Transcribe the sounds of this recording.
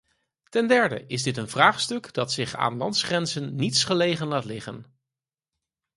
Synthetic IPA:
tɛndɛɹdə̰ʔɪzdɪtənvraːχstɵkd̥ɑtsɪχa̰ːnlɑntsχrɛnzənːitsχəlejχənlaːtlɪχə̰n

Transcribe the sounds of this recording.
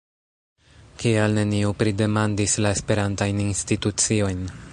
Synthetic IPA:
kialne̞niupɾide̞mandislae̞spe̞ɾantajninstitut͡sio̞jn

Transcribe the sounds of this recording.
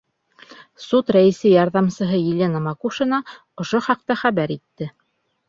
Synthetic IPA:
sut̪ɾæĭsɘjɑɾðɑmsɤ̆ɦɤjilʲenɑmɑkuʃɤ̆nɑ | ŏʃoχɑq̚t̪ɑχæβæɾit̪ːɘ

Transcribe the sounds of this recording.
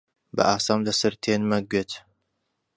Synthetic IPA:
bɐ̰ʔaːsaːmlɐsɨɾt̪ʰenmɐɡɥet̪

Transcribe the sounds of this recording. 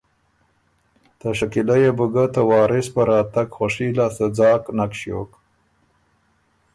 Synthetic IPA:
t̪aʂakɪlajebuɡat̪awɑːɾɪspəɾɑːt̪aɡxoʂilasəd͡zɑːknakʃjok

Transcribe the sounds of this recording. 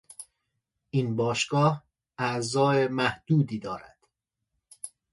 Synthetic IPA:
ʔinbɒːʃɡɒːh | æzɒːemæhd̪̥uːd̪iːd̪ɒːɾæ̰d̪̥

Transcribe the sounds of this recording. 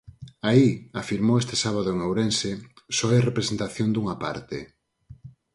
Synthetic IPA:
aiafiɾmowest̪e̥saβaðʊeŋowɾensesɔerepɾesent̪aθjond̪uŋapa̰ɾt̪e

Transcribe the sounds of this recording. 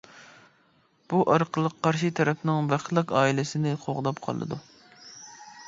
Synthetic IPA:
b̥uʔɑɾqʰəlˠəqʰːɑɾʃit̪ʰɛɾɛpʰnɪŋvæχlˠəqɑːilɪsɪnɪqʰoʁd̪ɑp̚qʰɑ̰lˠɨ̰d̪ṵ

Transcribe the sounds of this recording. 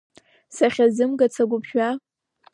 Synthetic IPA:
saχʲazɨmɡat͡sʰaɡʷʊpʰʃᶣa

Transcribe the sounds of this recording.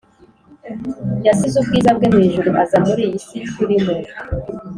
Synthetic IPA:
jasizub̚ɡiːzabɡenheːʒuɾuʔazamuɾiisikuɾimo

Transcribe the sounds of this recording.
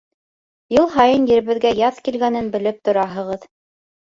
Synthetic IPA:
jɤlˠɦɑjɤnjɘ̆ɾɘ̆βɘ̆ðɡæjɑðkilɡænɘnbɘ̆lɘp̚t̪ŏɾɑɦɤ̆ʁɤð

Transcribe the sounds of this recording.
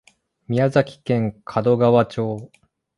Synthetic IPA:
mʲiazakʲi̥kẽ̞ŋkʰad̪o̞ɡaβat͡ɕo̞ː

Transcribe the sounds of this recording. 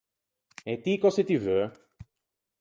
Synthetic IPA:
et̪ikɔset̪yvø

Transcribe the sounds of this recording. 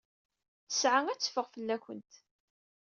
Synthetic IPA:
θə̥sʕaŋæt͡sːə̥fəʁfəlːæçʷə̰nt̪

